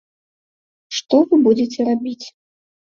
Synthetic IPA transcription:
ʂt̪ɔvɨbud͡zʲet͡sʲɛɾabʲit͡sʲ

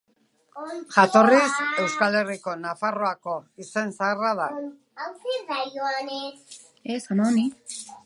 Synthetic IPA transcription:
ʝat̪o̞rise̞wskale̞riko̞nafaro̞ako̞ise̞nsaeraða | awsiðajoanes | esanoni

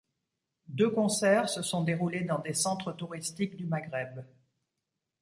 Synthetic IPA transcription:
d̪økɔ̃sɛʁsəsɔ̃d̪eʁuled̪ɑ̃d̪esɑ̃t̪χət̪uʁist̪ikd̪ymaɡʁɛb

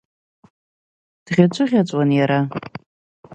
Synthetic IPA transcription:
d̥ʁʲat͡ʃʷʰʼʊʁʲat͡sʷʼwanjaɾa

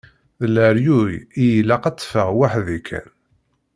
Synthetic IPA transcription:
ðəlːæɾjujijilːæqat͡sˤːfəʁwaħðikʰæ̰n

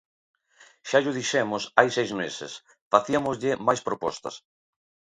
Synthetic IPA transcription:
ʃaʎʊðiʃɛmʊsajsejzmesɪ̰s | faθiɐmozʎɪmajspɾopɔ̰st̪ɐ̰s

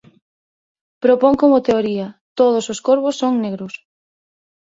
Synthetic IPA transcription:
pɾopoŋkomʊt̪eoɾiɐt̪oð̞ososkoɾβʊsːoŋneɣɾʊs

